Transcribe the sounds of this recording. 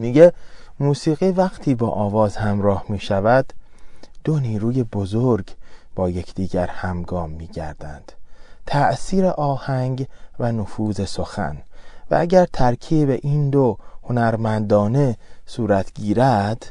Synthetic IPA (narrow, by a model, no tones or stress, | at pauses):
miɟemuːsiːɣiːvæɣt̪ʰiːbɒːʔɒːvɒːzhæmɾɒːhmiːʃævæd̪d̪̥oniːɾuːje̞bozoɾɡb̥ɒːje̞cʰd̪̥iːɟæɾhæmɡɒːmːiːɟæ̰ɾd̪æ̰nd̪̥t̪ʰæʔsiːɾeʔɒːhæŋɟvænofuːze̞so̞xæ̰nvæ̰æɟæɾt̪ʰæɾkʰiːbe̞ʔiːnd̪ohonæɾmænd̪ɒːne̞suːɾæt̪ʰɟiːɾæd̪̥